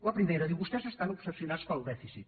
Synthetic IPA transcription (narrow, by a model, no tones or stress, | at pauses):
ɐpɾimejɾɐðiwβust̪ɛsest̪anopɾo̥sesjunaspalˠd̪ɛfisit̪